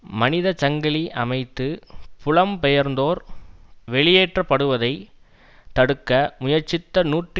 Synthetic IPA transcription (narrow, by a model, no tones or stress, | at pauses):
mɐnɪðɐt͡ʃɐŋɡɐɭiʔɐmɐɪt̪ːɯpʊɭɐmpɛjɐɾnd̪oːɾʋɛɭɪjeːʈrɐpːɐɽɯʋɐðɐɪ | t̪ɐɽɯkːɐmʊjɐɾt͡ʃɪt̪ːɐnuːʈ